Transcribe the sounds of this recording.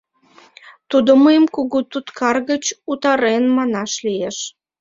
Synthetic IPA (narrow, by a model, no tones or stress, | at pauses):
t̪ud̪oməjəmkuɣut̪ut̪kʰɑrɣət͡ɕut̪ɑɾenmɑnɑʃlieʃ